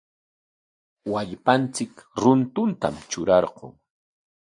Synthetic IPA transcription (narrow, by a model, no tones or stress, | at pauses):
waʎpant͡sɪkɾʊnt̪ʊnt̪a̰mt͡ʃʊɾɑɾɢo̰ŋ